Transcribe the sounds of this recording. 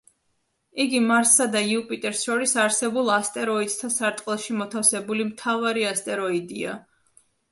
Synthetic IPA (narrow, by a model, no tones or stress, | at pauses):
iɡimaɾsːad̪aiupʼit̪ʼɛɾsʃɔɾisaɾsɛbulˠast̪ʼɛɾɔid̪̥̚t̪ʰasaɾt̪ʼqʼɛlˠʃimɔt̪ʰafsɛbulimt̪ʰavaɾiast̪ʼɛɾɔid̪ia̰